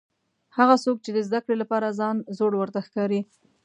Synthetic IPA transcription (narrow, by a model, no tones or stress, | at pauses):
haɣasok̚t͡ʃed̪əzd̪akɽelapɑɾazɑnzoɽwəɾt̪axkɑɾi